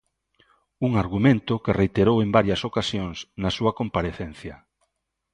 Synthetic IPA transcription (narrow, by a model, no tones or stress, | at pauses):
uŋaɾɣumẽnt̪ʊkerejt̪eɾowembaɾjɐsokasjoŋsnasuɐkompaɾeθen̟θjɐ